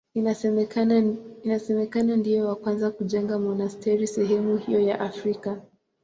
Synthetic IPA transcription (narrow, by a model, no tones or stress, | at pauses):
ina | inasɛmɛkanandijɔwakwanzakuʄɛŋɡamɔnastʰɛɾisɛɦɛmuhijɔjaʔafɾika